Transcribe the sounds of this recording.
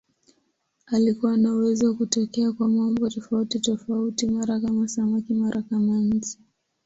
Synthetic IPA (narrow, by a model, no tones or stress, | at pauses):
alikuwanauwɛzɔwakutɔkɛakwamaɔmbɔtɔfautitɔfautimaɾakamasamakimaɾʔakamaɲ̩t͡ʃi̥